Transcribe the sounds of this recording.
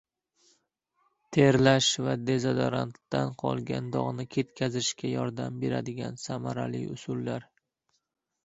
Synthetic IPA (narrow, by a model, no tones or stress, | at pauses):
t̪ʰeɾlaʃvad̪e̞zad̪aɾant̪ːanqʰɒ̰lˠɡʲa̰nd̪ɒʁnɪkʲʰe̞t̪kʲʰazɪʃkʲajɒɾd̪ambe̞ɾad̪ɪɡʲansamaɾa̰lḭʊ̰sʊlːaɾ